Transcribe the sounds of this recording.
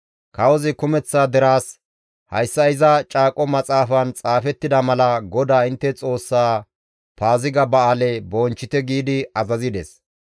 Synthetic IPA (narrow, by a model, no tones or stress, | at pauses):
kɐwɔzɪkʊmɛt͡sːaːd̪ɛɾaːs | hɐ̰jsːɐɪzɐt͡ʃʼaːkʼɔmɐt͡sʼaːfɐnt͡sʼaːfɛt̪ːɪd̪ɐmɐlɐɡɔd̪aːɪnt̪ːɛt͡sʼo̞ːsːaː | paːzɪɡɐbɐaːlɛbɔːnt͡ʃːɪt̪ɛɡiːd̪ɪɐzɐzɪd̪ɛs